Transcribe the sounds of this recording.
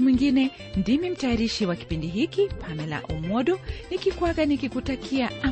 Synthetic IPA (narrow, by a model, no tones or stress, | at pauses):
mwiŋɡinɛ | ndimim̩tajaɾiʃiwaki̥pindiɦikipʰamɛla̰ʔumɔɗɔnikikwaɡanikikutakiaʔa